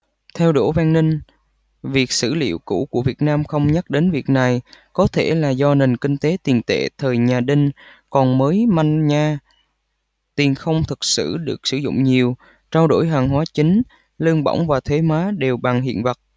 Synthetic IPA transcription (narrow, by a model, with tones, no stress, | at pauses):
t̪ʰɛ˧wɗo˧˩vaː˧ŋnï˧ŋ̟ | vi˨˩ək̚sɨ̰˧˩lḭ˧˨əwkṵ˧˩ku˧˩əvi˨˩ət̚naː˧mxə˧wŋ͡mɲə˦˥k̚ɗe˨˦nvi˨˩ək̚na˨˩jkɔ˨˦t̪ʰe˧˩laː˨˩zɔ˧ne˨˩nkï˧ŋ̟t̪e˨˦t̪i˨˩nt̪ḛ˧˨t̪ʰəː˨˩jɲaː˨˩ɗï˧ŋ̟kɔ˨˩nməː˨˦jma˧jŋɲaː˧ | t̪i˨˩ənxə˧wŋ͡mt̪ʰɨ˨˩k̚sɨ̰˧˩ɗɨ˨˩ək̚sɨ˧˩zʊ̰˧˨ŋ͡mɲi˨˩əw | t͡ɕaː˧wɗo̰˧˩jɦaː˨˩ŋɦwaː˨˦t͡ɕï˨˦ŋ̟ | lɨ˧əŋɓə̰˧˨wŋ͡mvaː˨˩t̪ʰwe˨˦maː˨˦ɗe˨˩wɓa˨˩ŋɦḭ˧˨ənvə˨˩t̚